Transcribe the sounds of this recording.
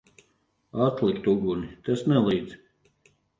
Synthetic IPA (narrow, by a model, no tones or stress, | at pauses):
at̪lˠikt̪uɡunit̪ɛsnɛlˠiːd̪z